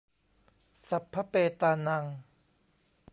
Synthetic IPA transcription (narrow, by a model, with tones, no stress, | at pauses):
sa˨˩pʰːa˦˥peː˧t̪aː˧na˧ŋ